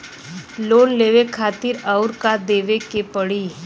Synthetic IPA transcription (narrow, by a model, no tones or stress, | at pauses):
loːnleːʋekʰaːt̪ɪɾaʊɾkad̪eːʋekepəɽiː